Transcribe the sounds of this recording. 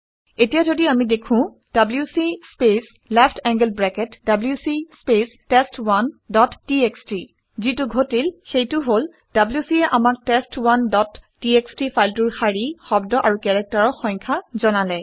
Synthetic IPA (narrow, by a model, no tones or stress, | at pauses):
etijazodiamidekʰʊ̃ | d̥abljusispes | lɛpʰtʰɛŋɡəlbɹɛkɛtdabljusispestestwandɔtːieksti | zitʊɡʱotilxejtʊɦol | d̥abljusiɛʔamak̚testwandɔtː | iekstifʰajltʊɹxaɹixɔbdɔʔaɹukɛɹɛk̚taɹɔxɔŋkʰazɔnalɛ